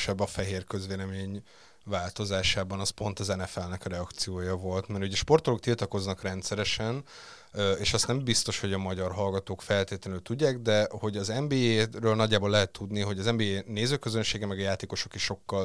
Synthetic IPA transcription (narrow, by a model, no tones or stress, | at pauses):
ʃɛbːɒfɛɦeːrkøzveːlɛmeːɲ | vaːlt̪o̞zaːʃaːbɒnɒspo̞nt̪ɒzɛnɛfɛlnɛkrɛɒkt̪sijoːjɒvo̞lt̪mɛɾuɟɛʃpo̞rt̪olok̚t̪ilt̪ɒko̞znɒkrɛnt̪sɛɾɛʃɛn | eːʃɒst̪nɛmbist̪o̞ʃho̞ɟɒmɒɟɒrɦɒlɡɒt̪oːkfɛlt̪eːt̪lɛnøːlt̪uɟːaːɡd̪ɛho̞ɟɒzɛmbeːeɾøːlnɒɟːaːboːlɛɦɛt̪ːud̪niɦo̞ɟɒzɛmbeːeːneːzøːkøzønʃeːɡɛmːɛɡɒjaːt̪eːko̞ʃo̞kiʃʃo̞kːɒl